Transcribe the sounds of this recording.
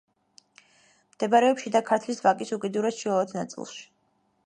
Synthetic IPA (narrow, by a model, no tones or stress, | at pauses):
md̪̥ɛbaɾɛɔpʃid̪akʰaɾt̪ʰlisvakʼisukʼid̪uɾasʃiaɔt̪ʰnat̪sʼḭlˠʃi̥